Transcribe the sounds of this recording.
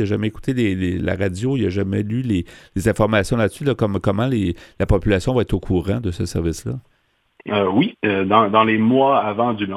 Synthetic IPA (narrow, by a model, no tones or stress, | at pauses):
aʒamɛeku̥t̪elelela̰ʁad͡zjoilaʒamɛylelezɛ̃fɔʁmasjɔ̃lat̪sylakɔmkʌmɑ̃lelapɔpylasjɔ̃vaɛt̪χokʰuːʁɑ̃d̪əsəsɛʁvɪsla | øwiəd̪ɑ̃d̪ɑ̃lemwaavɑ̃d̪yn